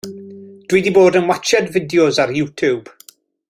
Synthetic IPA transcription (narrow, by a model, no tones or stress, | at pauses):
d̥widiboːdənwat͡ʃɛdvɪdjɔzaɾjuːtʰub̥